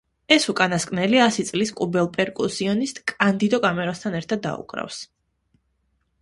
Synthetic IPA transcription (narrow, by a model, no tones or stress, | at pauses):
ɛsukʼanaskʼnɛliasit̪sʼliskʼubɛlˠpʼɛɾkʼusiɔnist̪ʼkʼand̪id̪ɔkʼamɛɾast̪ʰanɛɾt̪ʰad̪ːa̰ṵkʼɾa̰fs